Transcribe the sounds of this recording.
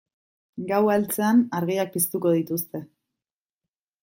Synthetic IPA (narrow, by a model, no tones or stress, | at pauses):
ɡawalt͡seanaɾɣiak̚pist̪uko̞ð̞it̪ust̪e̞